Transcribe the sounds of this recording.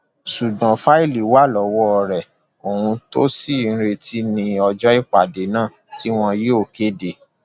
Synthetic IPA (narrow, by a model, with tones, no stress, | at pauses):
su˨dã˨fa˦i˦˨li˨wa˦lɔ˨˦wɔ˦ɔ˧ɾɛ˨ | o˨hũ˧to˦sĩ˦˨˦ɾe˧ti˦nĩ˧ɔ˧d͡ʒɔ˦i˦k͡pa˨de˨˦nãː˦˨ | ti˦w̃ɔ̃˧je˦o˦˨ke˦de˨